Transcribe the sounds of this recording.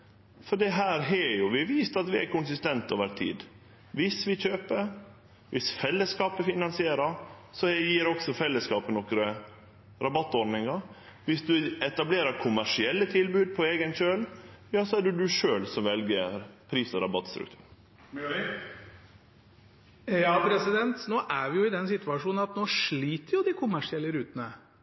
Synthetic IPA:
fɔɖ̪ɛɦæːɾɦɛjʊʋɪʋiːst̪ɑt̪ʋɪæ̰kʊnsɪst̪ɛnt̪o̰ːʋəɾt̪ʰḭːd̪ | ʋɪsʋɪçøːpəɾ | ʋʔɪsfɛlːəskɑːpəfɪnɑnsɪeːɾɑɾsɔɛjiːɾɔksɔfɛlːəskɑːpənɔkɾə | ɾɑbɑt̪ːɔɾɖ̪nɪŋɑ | ʋɪsd̪ʉɛt̪ɑbleːɾəɾkʰʊmæʂɪɛlːət̪ʰɪlbʉːd̪̚pʰɔeːɡənɕøːljɑːsɔæɖʉd̪ʉʂøːlsɔmʋɛlɡəpʰɾiːsəɾɑbɑt̪st̪ɾʉ̰k̚t̪ʰʉ̰ːɾ | jɑːpʰɾɛsɪd̪ɛnt̪noːʔæʋɪjʊɪd̪ɛnsɪt̪ʋɑʂuːnnɑt̪noːʂɭiːt̪əɾjʊd̪ɪkʰʊmæʂɪɛlːəɾʉːt̪ənə

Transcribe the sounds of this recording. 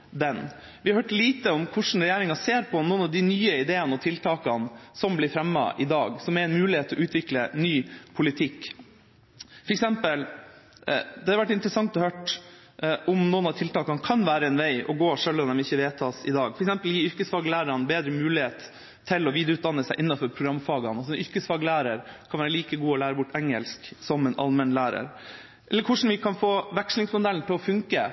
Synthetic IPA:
d̪ɛn | ʋɪhɑɾhøːʈliːt̪əɔmkʰʊʂn̩ɾɛjæːɾɪŋɑseːɾpʰɔnɔːnɑʋd̪ɪnyːəɪd̪eːənəɔt̪ʰɪlt̪ʰɑːkɑnsɔmblɪɾfɾɛmːɑ̰ʔɪd̪ɑːɡsɔmɛɪnmʉːlɪheːt̪ʰːɔʔʉːt̪ʰʋɪklənyːpʰʊlɪt̪ʰɪkː | fɔɾɛksɛmpəl | d̪ɛɑɾʋæʈːɪnt̪ɾəsɑŋt̪ɔhøːʈ | ʔɔmnɔːənɑt̪ʰɪlt̪ɑːkɑnkʰɑnʋæːɾəɛnʋæɪɔɡoːʂœlːɔmd̪ɛmɪçːəʋeːt̪ʰɑːsɪd̪ɑːɡfɔɾɛksɛmpəljiːʏɾkəsfɑːɡlæːɾəɾɑnbeːd̪ɾəmʉːlɪheːt̪ʰː | ɪlɔʋiːd̪əɾʉːd̪ɑnːəsæɪʔɪnːɑfɔɾpʰɾʊɡɾɑmːfɑːɡɑnɑs̬ɔɛnʏɾkəsfɑːɡlæːɾəɾkʰɑnʋæːɾəliːkəɡuːɔlæːɾəbʊʈːɛŋəlsksɔmɛnʔɑ̰lmɛnlæːɾə̰ɾ | ʔɛlːəɾkʰʊʂɳn̩ʋɪkʰɑnfoːʋækʂlɪŋsmʊd̪ɛlnt̪ɪlɔfʉŋkə

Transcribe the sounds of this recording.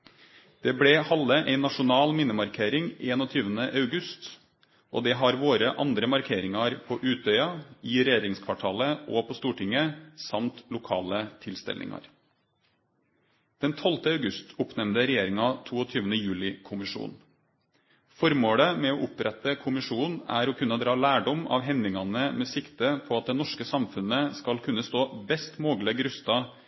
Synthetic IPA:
d̪̥ɛbɽɛhɑləʔæɪnɑʂʊnɑːlmɪnəmɑɾkʰeːɾɪŋeːnɔt̪ʰyːʋənəʔɑʉɡʉst̪ | ʔo̰ːd̪ɛɦɑɾʋoːɾəʔɑnd̪ɾəmɑɾkʰeːɾɪŋɑɾpʰɔːʔʉːt̪̚œʏɑɪɾɛjeːɾɪŋskʰʋɑʈʰɑːləɔpʰɔst̪uːʈʰɪŋəsɑmt̪lʊkʰɑ̰ːlət̪ʰɪlst̪ɛ̰lɪ̰ŋɑ̰ɾ | d̪̥ɛnt̪ʰɔlt̪əɑʉɡʉst̪ʊpnɛmnd̪əɾɛjeːɾɪŋɑt̪ʰuːɔt̪ʰyːʋənəjʉːlɪkʰʊmɪʂṵːn | fɔɾmoːɽəmɛɔʔʊpɾɛt̪ːəkʰʊmɪʂuːnæ̰ɾɔkʰʉnːəd̪ɾɑːlæːɖɔmɑ̰ːʋɦɛnd̪ɪŋɑnəmɛːsɪkt̪əpʰɔɑt̪̚d̪ɛnɔʂkəsɑmfʉnəskɑlkʰʉnːəst̪oːbɛst̪moːɡləɡɾʉst̪ɑ

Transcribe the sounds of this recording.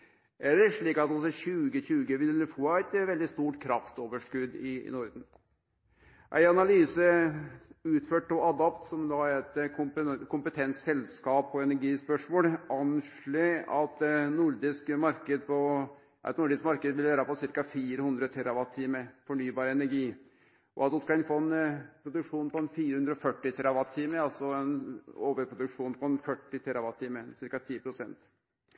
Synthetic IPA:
ʔɛɖɛʂɭiːkɑt̪ɑlsɔɕʉːɡəɕʉːɡəʋɪlːəfoːɛt̪ʋɛld̪ɪst̪uːʈkʰɾɑft̪oːʋəʂkʉd̪ɪ̰nɔɾd̪n̩ | ʔæ̰ɪɑnɑlyːsə | ʉːt̪føːʈːɔʔɑd̪ɑpt̪sɔmd̪ɑæɾɛt̪ | kʰʊmpət̪ʰɛnsɛlskɑːpɔɛnæɾɡiːspœʂmoːlɑnʂɭeːɑt̪nʊɾd̪ɪskmɑɾkəd̪pʰɔ | ɛ̰t̪nʊɖɪskmɑɾkəd̪ʋɪlʋæːɾɑpɔsɪɾkɑfiːɾəhʉnd̪ɾət̪ʰɛɾɑʋɑt̪ʰːiːməfɔɳyːbɑːɾəɛnæɾɡiː | ʔɔ̰ɑt̪̚d̪ʊskɑlɪnfoːɛnpʰɾʊd̪ʉkʂuːnpɔɛnfiːɾəhʉnd̪ɾɔfœʈːɪt̪ʰɛɾɑʋɑt̪ʰːiːməɑlsɔɛnoːʋəɾpʰɾʊd̪ʉkʂuːnpʰɔɛnfœʈːɪt̪ʰɛɾɑʋɑt̪ːiːməsɪɾkɑt̪ʰiːpʰɾʊsɛnt̪

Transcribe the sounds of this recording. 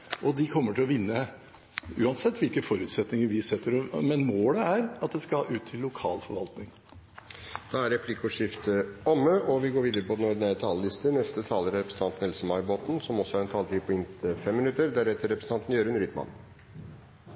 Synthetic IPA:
ʔɔd̪ɪkʰɔmːəʈʰɪlɔʋɪnːə | ʉ̰ːɑnsɛt̪ːʋɪlkəfɔɾʉːt̪sɛt̪nɪŋəɾʋɪsɛt̪ʰːəɾɔmɛnmoːd̪ɛæɾɑt̪̚d̪ɛskɑʔʉːt̪ʰːɪlːʊkʰɑːlfɔɾʋɑlt̪nɪŋ | d̪̥ɑːæɾɾɛpʰlɪkʊʂɪft̪əɔməʔɔʋɪɡoːɾʋiːd̪əɾəpɔd̪ɛnɔɖ̪ɪnæɾət̪ʰɑːləlɪst̪ənɛst̪ət̪ʰɑːləɾɛpɾəsn̩t̪ɑnt̪n̩ɛlsəmɑɪboːt̪n̩sɔmɔsɔæɾɛnt̪ʰɑːlt̪ʰiːpʰɔɪnt̪əfɛmːɪnʉt̪əɾd̪æɾɛt̪ːəɾːɛpɾəsn̩t̪ɑnt̪n̩jøːɾʉnɾʏːt̪mɑ̰n

